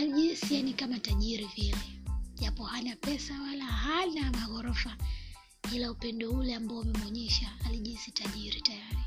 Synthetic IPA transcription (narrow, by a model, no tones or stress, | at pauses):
aliʄisianikamataʄiɾivilɛʄapɔhanapɛsawalahainamaɣɔɾɔfa | ilaupɛndɔulɛambaɔmɛmɔɲɛʃaaliʄisitaʄiɾitajaɾi